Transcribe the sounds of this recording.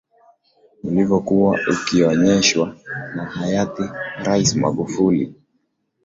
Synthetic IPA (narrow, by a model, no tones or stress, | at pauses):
ilivɔkuwaukiɔɲɛʃwanahajatiɾaisma̰ɠufulḭ